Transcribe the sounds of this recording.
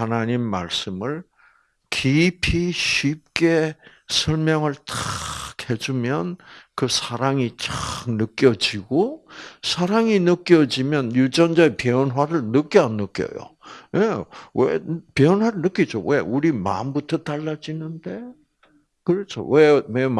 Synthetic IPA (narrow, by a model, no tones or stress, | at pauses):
hanaɲimːa̰ɭs͈ɯmɯɭ | kipʰiɕʰip̚k͈e̞ | sʰʌɭmjʌŋɯɭtakʰe̞d͡ʑumjʌnkɯsʰaɾaŋit͡ɕaknɯk͈jʌd͡ʑiɡosʰaɾaŋinɯk͈jʌd͡ʑimjʌnjud͡ʑʌnd͡ʑaepjeʌnwaɾɯɭnɯk͈jʌanːɯk͈jʌ̰jo̰jewḛpeʌnwaɾɯɭnɯk͈id͡ʑo̰we̞uɾima̰mbutʰʌtaɭːad͡ʑinɯnde̞ | kɯɾʌt͡ɕʰo̰wemem